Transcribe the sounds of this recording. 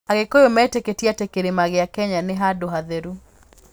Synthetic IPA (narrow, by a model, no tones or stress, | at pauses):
aɡɪkojomɛteketiatekeɾemaɡɪakɛɲanɪɦadoɦaðeɾu